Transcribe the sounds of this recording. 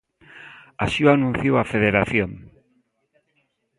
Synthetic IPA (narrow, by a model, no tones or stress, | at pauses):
asiuanũn̟θjowafeðeɾaθjoŋ